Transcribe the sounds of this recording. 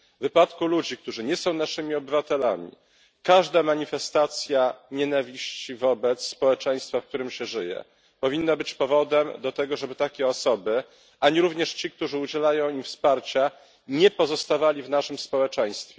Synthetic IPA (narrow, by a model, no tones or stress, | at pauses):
vɘpat̪kulud͡ʑik̚t̪uʐɘɲɛsɔ̃w̃naʂɘmʲiɔbɘvat̪ɛlamʲḭ | kaʐd̪amaɲifɛst̪at̪sʲjaɲɛnavʲiɕt͡ɕivɔbɛt̪sːpɔwɛt͡ʂɛj̃st̪fafk̚t̪uɾɘmɕɛʐɘjɛ̰ | pɔvʲinːabɘt͡ɕpɔvɔd̪ɛmd̪ɔt̪ɛɡɔʐɛbɘt̪akʲɛɔsɔbɘ | aɲiɾuvɲɛʂt͡ɕik̚t̪uʐɘud͡ʑɛlajɔ̃w̃imfspaɾt͡ɕa | ɲɛpɔzɔst̪avalʲivnaʂɘmspɔwɛt͡ʂɛj̃st̪fʲɛ